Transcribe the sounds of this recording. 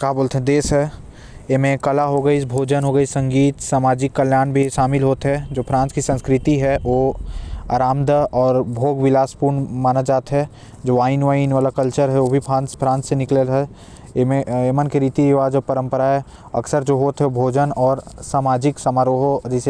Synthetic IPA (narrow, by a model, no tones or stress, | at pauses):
kaːboːlt̪ɦɛ̃d̪eːsɦɛ | emẽkɐlaɦoɡəisbʱoːd͡ʒənɦoɡəisɐ̃ŋɡiːt̪saːmaːd͡ʒɪkːəljaːnbʱiʃaːmɪlɦoːt̪ɦɛd͡ʒoːpʰɾãːnskisə̃nskɾɪt̪iɦɛʋoːa̰ːɾaːmd̪ʱəɔːɾbʱoːɡʋɪlaːspuːɾnmaːnad͡ʒaːt̪ɦɛ | d͡ʒoːaːɪnʋainʋaːlakəlt͡ʃəɾɦɛobʱipʰãːnspʰɾãːnsːenɪklelɦɛ | mẽemənkeɾiːt̪iiʋaːd͡ʒopəɾə̃mpəɾaɦɛ | ɐ̰ksəɾd͡ʒoːɦoːt̪ɦɛobʱoːd͡ʒənɔːɾsaːmaːd͡ʒɪksamaɾoːɦod͡ʒɛse